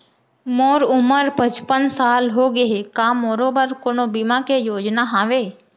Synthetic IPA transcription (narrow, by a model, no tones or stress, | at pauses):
moːɾʊməɾpət͡ʃpənsaːlɦoːɡəɦekãːmoːɾobəɾkoːnobɪmãkejoːd͡ʒnaɦaːʋeː